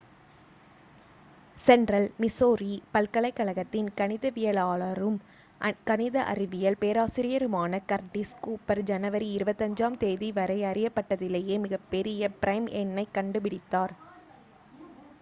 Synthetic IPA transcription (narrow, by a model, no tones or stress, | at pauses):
sɛɳɖrɐlmɪsoːɾipɐlkɐɭɐɪkːɐɭɐɣɐt̪ːɪnkɐnɪðɐʋɪjɐlaːɭɐɾɯm | kɐnɪðɐʔɐ̰ɾɪʋɪjɐlpeːɾaːsɪɾɪjɐɾɯmaːnɐkɐɾʈiskuːpɐɾd͡ʒɐnɐʋɐɾiɪɾɯbɐt̪ːɐɲd͡ʒaːmt̪eːðiʋɐɾɐɪɐɾɪjɐpːɐʈːɐðɪleːjeːmɪɣɐpːɛɾɪjɐpɪɾɐɪmʔɛnːɐɪkɐɳɖɯpɪɽɪt̪ːaːɾ